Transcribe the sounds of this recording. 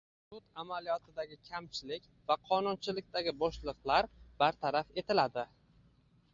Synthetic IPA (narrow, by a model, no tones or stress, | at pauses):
sʊt̪amalijɒt̪ʰɪd̪aɡʲɪkʲʰamt͡ʃʰɪlɪkʲvaqʰɒnʊnt͡ʃʰɪlɪk̚ʲt̪aɡʲɪbɒʃlˠɨqlˠaɾbaɾt̪ʰaɾafe̞t̪ʰɪlad̪ɪ